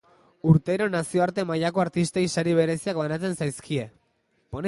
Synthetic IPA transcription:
uɾt̪e̞ɾo̞nasio̞aɾt̪e̞majako̞aɾt̪ist̪eisaɾiβ̞e̞ɾe̞siak̚βanat͡se̞nsajskʰie̞ | pone

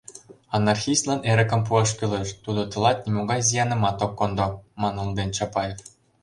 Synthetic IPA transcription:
ɑnːɑrxʲist̪lɑneɾɘ̆kə̆mpuɑʃkyleʃt̪ud̪ŏt̪ɤ̆lˠɑt̪̚nʲimoɡɑjzijɑnɤ̆mɑt̪okːond̪omɑnulˠd̪enʲt͡ɕɑpɑjef

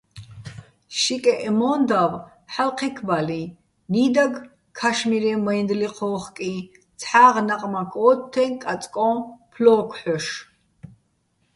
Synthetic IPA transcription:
ʃikʼɛʔɛmɔnd̪av | ħalqʰɛkʰbali | niːd̪aɡ | kʰaʃmiɾɛmɔind̪liqʰɔːχkʼi | t͡sʰħaːʁnaqʼmakʰʼɔːt̪ʰːɛnkʼat͡sʼkʼɔ̃pʰlɔːkʷʰħɔʃ

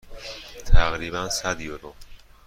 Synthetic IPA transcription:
t̪ʰæɣɾiːbænsæd̪joɾo

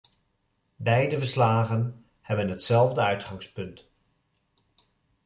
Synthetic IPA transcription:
bɛjdəvəɹslaːɣən | hɛbənɦətsɛlˠvdəœɥtχɑŋspɵnt

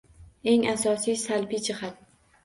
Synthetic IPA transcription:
e̞ŋasɒsijsalbid͡ʒɪhat̪̚

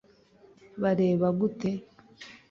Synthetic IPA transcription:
βaɾe̞ːβaɡute̞

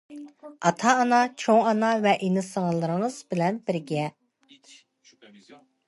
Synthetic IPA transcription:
ɑt̪ʰɑːnɑt͡ʃʰoŋɑnɑvɛʔenɪsɨŋəlˠːɨɾɨŋɨz̥bɪlɛnbɪɾɡʲɛ

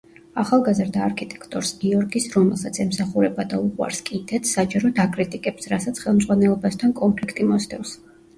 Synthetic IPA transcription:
aχalˠɡazɾd̪aːɾkʰit̪ʼɛ̥kʰt̪ʼɔɾsɡiɔɾɡisɾɔmɛlˠsat̪sʰɛmsaχuɾɛbad̪auqʼwa̰ɾskʼid̪ɛt̪ʰsad͡ʒaɾɔd̪akʼɾit̪ʼikʼɛpsɾasat̪sʰχɛlˠmd̪zʁwanɛlˠɔbast̪ʰankʼɔmpʰlikʰt̪ʼimɔsʰt̪ʰɛws

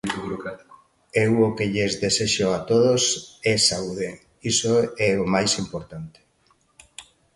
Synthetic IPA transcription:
βuɾokɾat̪i̥ko | ewokeʎezðeseʃoat̪oðosɛsauðe | isoɛomajsimpoɾt̪ant̪e̥

